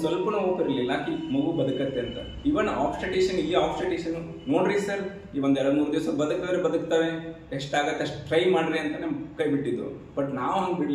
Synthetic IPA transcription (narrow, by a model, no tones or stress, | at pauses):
sʋɐlpɐnɐoːpiɾɐlilːɐkimɐɡubɐd̪ukɐt̪ːeɐnt̪ɐ̰ | iʋɐnːɐʔa̰ːpsʈɾeʈeːʃɐniːaːpsʈɾeʈeʃɐnːu | noːɽɾisɐɾ | iːʋond̪ɛɭɐɽmuːɾud̪eːsɐbɐd̪uk̚t̪aːɾebɐd̪ukt̪aʋe | eʂʈaːɡɐt̪ːeɐʂʈʈɾɐjmaːɽɾeɐnt̪ɐnekɐjbiʈːid̪ɾṵb̥ɐʈnaːʋuɦɐŋɡbiɽl